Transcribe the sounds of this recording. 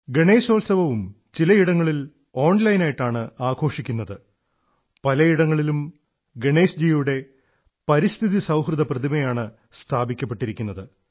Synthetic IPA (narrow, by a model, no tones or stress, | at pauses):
ɡeɳe̞ːso̞ːlsɐbɐʋum | t͡ɕilɐiɽɐŋːɐɭil | o̞ːɳlɐjnaːjiʈːaːɳɨaːɡʰʱo̞ːʂikʲːunːɐðɨ | pɐlɐiɽɐŋːɐɭilum | ɡeɳe̞ːsd͡ʑiːjuɽe̞ | pɐɾist̪ʰiðisɐwɦrɨðɐprɐðimɐjaːɳɨ | st̪ʰaːbikʲːɐp̬ːe̞ʈːiɾikʲːunːɐðɨ